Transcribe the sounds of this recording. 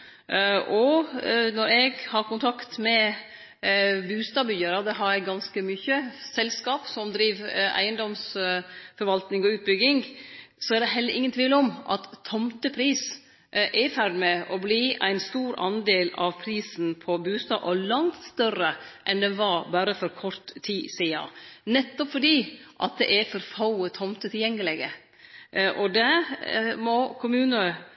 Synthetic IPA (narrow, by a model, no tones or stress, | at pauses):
ʔɔnɔɾɛɡhɑɾkʊnt̪ʰɑkt̪mɛ | bʉːst̪ɑːbʏjəɾɑd̪ɛɦɑɾɛɡɑnskəmyçəsɛlskɑːpsɔmd̪ɾiːʋæ̰ɪənd̪ɔms | fɔɾʋɑlt̪nɪŋɔʉːt̪̚bʏɡɪŋsɔæɖ̪ɛɦɛlːəɾʔɪŋːənt̪ʰʋiːləɔmʔɑ̰t̪ʰːɔmt̪əpʰɾiːs | ʔæɾfæɾɖmɛʔɔbliːʔæ̰ɪnst̪uːɾɑ̰nd̪eːlɑʋpʰɾiːsn̩pʰɔbʉːst̪ɑ̰ːʔɔlɑŋt̪st̪œɾəʔɛnd̪ɛnʋɑɾbɑːɾəfɔɾkʰɔɾt̪ʰːiːsiɑ̰nɛt̪ːɔpfɔɖiːʔɑ̰t̪̚d̪ɛʔæfɔɾfɑʊət̪ʰɔmt̪ət̪ʰɪljɛŋːəlɛɡə | ʔɔd̪ɛ | mɔkʰʊmʉːnə